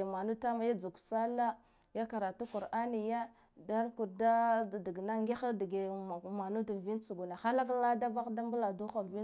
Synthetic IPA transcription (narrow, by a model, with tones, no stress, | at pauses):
ma˨nu˦ta˦ma˨ja˦d͡zu˨ksa˦la˦ | ja˦ka˨ɾa˨tu˦ku˨ɾʔa˦ni˨ja˦ | da˦ɾku˨ɾda˦˨di˨ɡna˦ŋɡi˦xa˦di˨ɡe˨ma˨nu˦da˨vi˦nt͡su˨ɡu˨na˨xa˦la˦k̬la˦da˦ba˦kda˦mbu˦la˨du˦xa˨vi˦